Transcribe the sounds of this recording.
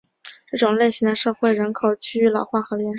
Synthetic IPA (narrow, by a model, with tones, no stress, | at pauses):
ʈ͡ʂɤ˥˩ʈ͡ʂʊ˨˩ŋle˥˩ɪɕi˧˥ŋd̪ə˧ʂɤ˥˧xwe˥˩ɪɻə˧˥nkʰo˨˩ʊt͡ɕʰy˥y˧˥lɑ˨˩ʊxwa˥˩xɤ˧˥ljɛ˧˥nʂ